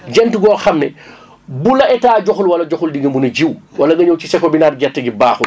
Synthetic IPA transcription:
d͡ʒɛntuɡɔxɐmnɛ̰ | bulɐɛtaːd͡ʒɔxulwɐlɐd͡ʒɔxuldiɡɐmbunɐɟiwwɐlɐɡɐɲowt͡ʃisɛkobinaːdɡɛtːɐɡibaːxu

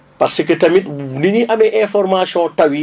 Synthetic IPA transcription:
pɐɾsekətɐmitniɲiʔɐmɛʔɛ̃fɔɾmasjɔ̃tɐwi

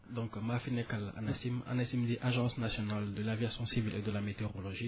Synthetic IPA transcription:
d̪ɔ̃kmafinekala̰nasima̰nasimd̪iʔaʒɑ̃snasjɔnald̪əlavjasjɔ̃sivilʔed̪əlamet̪eʁɔlɔʒi

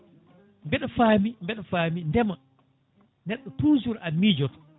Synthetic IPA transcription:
mbɛɗɔfaːmimbɛɗɔfaːmindɛma | nɛɗːɔtuːd͡ʒuɾamiːd͡ʒɔt

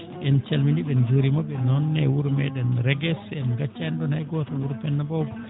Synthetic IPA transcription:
ʔɛnt͡ʃalminiɓɛnd͡ʒoɾimɔɓɛnɔnːɛwuɾmɛɗɛnɾɛɡɛsɛnɡat͡ʃːaɛndɔnhajɡɔtawuɾpɛnːabɔb

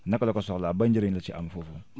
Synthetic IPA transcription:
nakalɔkasɔɔlabãɲd͡ʒiɾẽɲlat͡ʃɛʔa̰mafofo

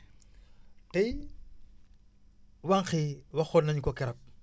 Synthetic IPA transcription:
tɐj | waŋxiwɐxɔːnɐɲkɔkɛɾɐk̚

